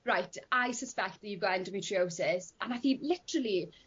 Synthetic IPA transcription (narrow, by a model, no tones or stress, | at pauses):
ɹaɪtʰaɪsəspɛk̚t̚ðəjuvɡɔɪ̃ndəmiːtʰɹioʊsɪsə̃naɪθɪ̃ŋklɪtəɹəlˠi